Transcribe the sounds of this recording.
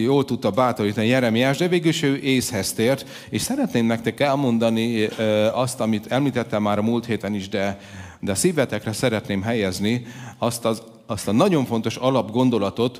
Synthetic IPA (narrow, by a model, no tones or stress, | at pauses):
joːlt̪ut̪ːɒbaːt̪o̞ɾiːt̪ɒnijɛɾɛmijaːʒd̪ɛveːɡylʃøːʔeːshɛst̪eːrt̪ | eːʃsɛɾɛt̪neːmnɛk̚t̪ɛkɛlmo̞nd̪ɒni | ɒst̪ɒmit̪ʰɛmliːt̪ɛt̪ːɛmːaːɾɒmult̪heːt̪ɛniʒd̪ɛ | d̪ɛsivɛt̪ɛkrɛsɛɾɛt̪neːmɦɛjɛzniɒst̪ɒz | ɒst̪ɒnɒɟo̞ɱfo̞n̪t̪o̞ʃɒlɒbɡo̞nd̪o̞lɒt̪o̞t̪